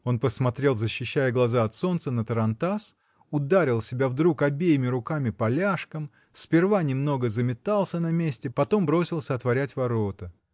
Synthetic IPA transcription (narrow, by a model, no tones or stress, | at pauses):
o̞npəsmɐt̪ɾʲe̞lˠzəɕːɪɕːæjəɡlˠɐzaɐt̪so̞nt̪sənət̪əɾɐnt̪as | ʊd̪aɾʲɪlˠsʲɪbʲavd̪ɾukɐbʲejɪmʲɪɾʊkamʲɪpɐlʲaʂkəm | sʲpʲɪrvanʲɪmno̞ɡəzəmʲɪt̪alˠsʲənɐmʲesʲtʲɪpɐt̪o̞mbɾo̞sʲɪlˠsʲəɐt̪vɐɾʲætʲvɐɾo̞t̪ə